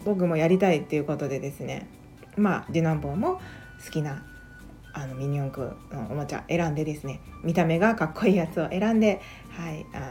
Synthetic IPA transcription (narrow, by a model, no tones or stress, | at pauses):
bo̞k̬ɯ̟mo̞jaɾʲit̪ait̪ːe̞jɯ̟ko̞t̪o̞d̪e̞d̪e̞sɨne̞̰ | mad̪ʲinãmbo̞ːmo̞ | sɨ̥kʲina | ano̞mʲĩɲ̟iõŋkɯ̟̰noomat͡ɕa̰ʔe̞ɾãnd̪e̞d̪e̞sɨne̞mʲit̪ame̞ɡakakːo̞iːjat͡sɨo̞ʔe̞ɾãnd̪e̞ | haia